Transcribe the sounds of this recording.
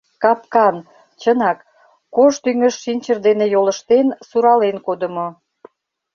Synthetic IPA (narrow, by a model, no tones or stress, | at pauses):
kɑpkɑn | t͡ɕənɑkː | oʃt̪yŋəʃːinʲt͡ɕərd̪enejoləʃt̪ensuɾɑlenkod̪əmo